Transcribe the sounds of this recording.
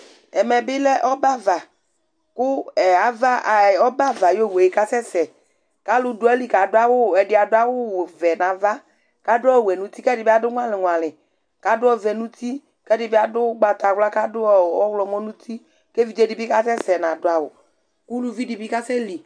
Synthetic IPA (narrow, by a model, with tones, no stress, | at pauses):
ɛ˨mɛ˨bɪ˦lɛ˦ʔɔ˦ba˦va˨ | kʊ˦ɛ˨a˨va˦ʔa˨ɔ˦ba˦va˨jo˦˨we˨e˨ka˦sɛ˦sɛ˨ | ka˦lʊ˨dʊ˨˦ɛ˦li˦ka˨dʊ˦a˦wʊ˦˨ɛ˨dɪ˨˦a˨dʊ˦a˦wʊ˦˨vɛ˨nã˨va˦ | ka˦dʊ˦ɔ˦˨wɛ˨nũ˦t̪i˦kɛ˦dɪ˨bɪ˦a˦dʊ˦ŋʷ˦ã˦lɪ˨ŋ˨ã˨lɪ˨ | ka˨dʊ˦ɔ˦vɛ˨nũ˦t̪ʰi˦ | kɛ˦dɪ˨bɪ˦a˦dʊ˦ɡ͡ba˨t̪a˨wla˦ka˦dʊ˦ɔ˦˨ɔ˦wlɔ˨mɔ̃˦nũ˦t̪ʰi˦ | ke˦vi˨˦d͡ʒe˦dɪ˨˦bɪ˦ka˦sɛ˦sɛ˨nã˨dʊ˦a˨wʊ˨ | ku˦lu˦vi˦di˨bi˦ka˦sɛ˦li˨